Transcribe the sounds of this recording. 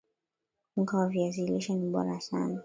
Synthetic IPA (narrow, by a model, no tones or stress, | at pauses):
ŋ̩kaaviɛziliʃaniɓɔ̰ɾasa̰na